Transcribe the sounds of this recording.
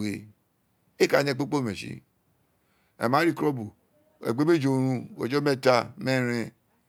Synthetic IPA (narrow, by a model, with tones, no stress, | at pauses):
we˨ | e˦ka˨ɲe˦˨k͡po˦k͡po˦˨me˨ʃḭ˦ | ḛ˨ma˨˦ɾi˦˨kɾo˦bu˨ | ḛ˨ɡ͡be˦me˦d͡ʒo˨ɾũ˧o̰˨d͡ʒo˦me˦ta˦me˦ɾẽ˧